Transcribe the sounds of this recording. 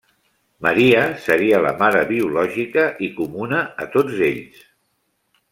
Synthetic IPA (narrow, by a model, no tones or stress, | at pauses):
məɾiəsəɾiələ̰maɾəβiulɔʒikəʔikumunəːt̪od͡zeʎs